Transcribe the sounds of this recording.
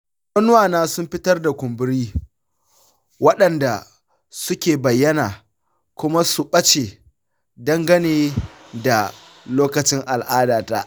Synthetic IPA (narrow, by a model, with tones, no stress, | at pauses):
mɐ˦nʊ˦waː˨naː˦sʊ˦mɸɪ˦tɐ˦rda˨kʷʊ˨mbɪ˦ɾiː˦ | wɐ˦ɗɐ˨nda̰˨ | sʊ˦kʲeː˨bɐ˨jːɐ˦na̰ː˨ | kʷʊ˦ma˦su˨ɓɐ˦t͡ʃeː˨ | dɐ˦ŋɡɐ˦neː˨ | da˨ | loː˦kɐ˨t͡ʃɪ˦ŋʔa˨lʔaː˦daː˨ta̰˦ʔ